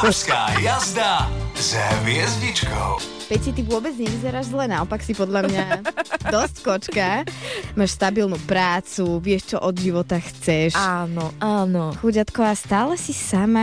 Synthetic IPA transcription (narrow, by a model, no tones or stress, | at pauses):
uskaːjjazd̪azʋɪɛzɟit͡ʃkɔ̰ʊ | pɛcsit̪iʋʊɔbɛd͡zɲɛʋizɛɾaːʒzlɛnaɔpaksipɔd̪ʎamɲad̪ɔsckɔt͡ʃkamaːʃst̪abilnupɾaːt͡suʋɪɛʃt͡ʃɔʔɔd̪ʒiʋɔt̪axt͡sɛʃanɔʔaːnɔxuɟat̪kɔʋaːst̪aːlɛsisama